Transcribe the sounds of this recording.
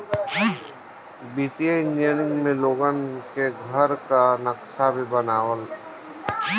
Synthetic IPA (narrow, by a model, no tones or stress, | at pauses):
biːt̪iaɪnijənɪ̃ŋɡmẽloːɡənkeɡʱəɾkanəksabʱibənaːwəl